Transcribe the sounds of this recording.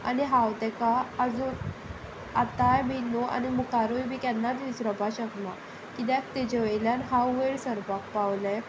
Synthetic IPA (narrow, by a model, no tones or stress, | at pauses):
a̰niɦawt̪ɛkaəd͡zun | at̪ajbinoʔa̰nimukaɾujbʱikanːat͡s̪ʋisɾəpaɕəkma | kid̪akt̪ed͡ʑəʋeɭljanɦawʋeɽsəɾpakpawla